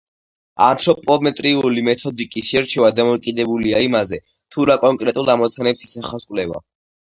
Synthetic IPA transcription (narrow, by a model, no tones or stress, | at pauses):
a̰nt̪ʰɾɔpʼɔmɛt̪ʼɾiulimɛt̪ʰɔd̪ikʼisʃɛɾt͡ʃʰɛvad̪amɔkʼid̪ɛbuliaimazɛ | t̪ʰuɾakʼɔŋkʼɾɛt̪ʼulˠamɔt̪sʰanɛpsisaχaskʼlɛva̰